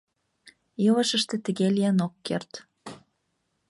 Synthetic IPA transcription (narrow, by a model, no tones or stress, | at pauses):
jɤləʃəʃt̪ĕt̪ə̆ɣelʲiənokːert̪